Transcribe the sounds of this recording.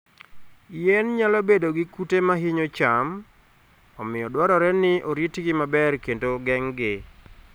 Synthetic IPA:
jɛnɲalɔbedoɡɪkutemaɦɪɲot͡ʃam | ɔmɪɔdwaɾɔɾɛnɪʔoɾitɡɪmabɛrkentoɡɛŋɡɪ

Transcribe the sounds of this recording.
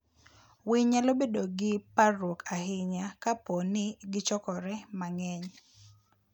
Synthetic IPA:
wɪɲalobedoɡɪpaɾwokahɪɲakaponɪɡɪt͡ʃɔkɔɾɛmaŋɛɲ

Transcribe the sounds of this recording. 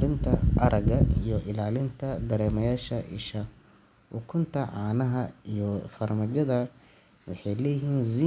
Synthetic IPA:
ɾɪnt̪ʰɐɐɾʔɐɣɐijɔʔɪlaːlɪnt̪ʰɐd̪ɐɾɛːmɐjaːʃɐʔɪ̰ʃɐ | ʔʊkʰʊnt̪ʰɐʕɑːnɐɦɐijɔfɐrmɐd͡ʒɐðɐ | wɑħɑjlɛːjɪɦiːnziː

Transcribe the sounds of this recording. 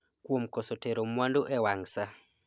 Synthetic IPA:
kwomkɔsɔteɾomwandoʔɛwaŋsa

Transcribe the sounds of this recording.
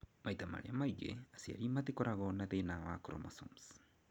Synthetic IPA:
majt̪ama̰ɾeamaiɡḛasia̰ɾimat̪ikoɾaɣonat̪enawakoɾo̰masoms

